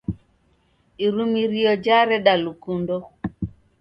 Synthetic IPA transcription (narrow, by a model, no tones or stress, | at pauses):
iɾumiɾiɔd͡ʒaɾɛɗalukundɔ